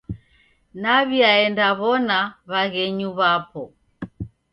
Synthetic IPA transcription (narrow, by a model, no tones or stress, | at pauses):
naβiaɛndaβɔnaβaɣɛɲuβapɔ